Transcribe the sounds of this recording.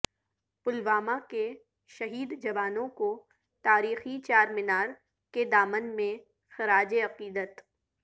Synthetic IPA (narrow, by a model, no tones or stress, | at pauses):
pʊlʋaːmake | ʃɐɦiːd̪d͡ʒɐʋaːnõko | t̪aːɾiːxit͡ʃaːɾmɪnaːɽ | ked̪aːmənmẽ | xɐɾaːd͡ʒeɐqiːd̪ət̪